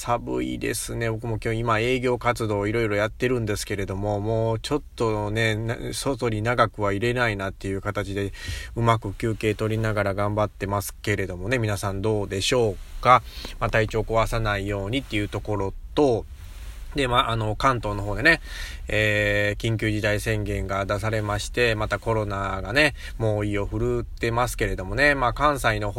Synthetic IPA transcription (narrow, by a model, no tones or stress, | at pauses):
sabɯ̰ḭd̪e̞̰sɨne̞bo̞kɯ̟mo̞kʲoːimae̞ːɡʲo̞ːkat͡sɨd̪o̞ːiɾo̞iɾo̞jat̪ːe̞ɾɯ̟̃nd̪e̞sɨ̥ke̞ɾe̞d̪o̞mo̞mo̞ːt͡ɕo̞t̪ːo̞ne̞nsoso̞ɾʲinaɡakɯ̟βaiɾe̞nainat̪ːe̞jɯ̟ːkat̪at͡ɕid̪e̞ɯ̟makɯ̟kʲɨːke̞ːt̪o̞ɾʲinaɡaɾaɡãmbat̪ːe̞masɨ̥ke̞ɾe̞d̪o̞mo̞ne̞mʲinasãnd̪o̞ːd̪e̞ɕo̞ːkamat̪ait͡ɕo̞ːko̞βasanaijo̞ːɲ̟it̪ːe̞jɯ̟t̪o̞ko̞ɾo̞t̪o̞ | d̪e̞maːʔːno̞kãnt̪o̞ːno̞ɦoːd̪e̞ne̞eːkʲĩŋk̬ʲɨːʑid̪aisẽ̞ŋɡẽ̞ŋɡad̪as̬aɾe̞maɕi̥t̪e̞mat̪ako̞ɾo̞naɡane̞ | mo̞ːio̞ɸɯ̟ɾɯ̟t̪e̞masɨ̥ke̞ɾe̞d̪o̞mo̞ne̞maːkãɰ̃saino̞